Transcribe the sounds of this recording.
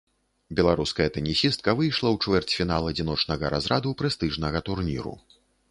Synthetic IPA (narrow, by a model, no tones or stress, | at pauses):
bʲɛlˠaɾuskɐjɛt̪ɛnʲisʲist̪̚kɐvɨjʂlˠɐwt͡ʂvʲɛrt͡sʲfʲinalˠɐd͡zʲin̪ɔt͡ʂnɐɣɐɾa̰zɾad̪upɾɛst̪ɨʐnɐɣɐt̪urnʲḭɾṵ